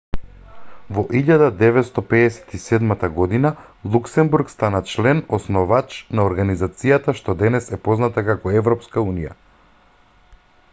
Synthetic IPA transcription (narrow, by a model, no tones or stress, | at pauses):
vɔʔiʎad̪ad̪ɛvɛt̪st̪ɔpɛɛsɛ̥t̪isɛd̪mat̪aɡɔd̪inalˠuksɛmbuɾkst̪anat͡ʃlɛnɔsnɔvat͡ʃnaɔɾɡanizat̪sijat̪aʃt̪ɔd̪ɛnɛsɛpɔznat̪akakɔɛvɾɔpskaunija̰